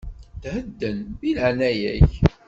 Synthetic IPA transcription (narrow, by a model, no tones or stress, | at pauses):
d̪həd̪ːənbiləʕnæjæç